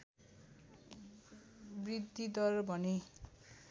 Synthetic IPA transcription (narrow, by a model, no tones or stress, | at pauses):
brid̪ʱːid̪ʌrbʱʌne